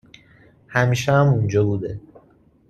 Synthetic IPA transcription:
hæmiːʃɛæmund͡ʒɒːbuːd̪e

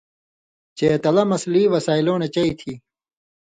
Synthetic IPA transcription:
t͡ɕeːt̪ɐlɐmɐsliːʋɐsaːiloːnet͡ɕɐit̪ʰiː

